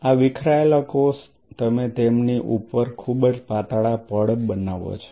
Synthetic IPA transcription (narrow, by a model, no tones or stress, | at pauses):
aʋɪkʰɾaelakos | t̪əmet̪emniʔupəɾkʰubəd͡ʒpat̪aɭapəɽəbənaʋo̰t͡ʃʰo̥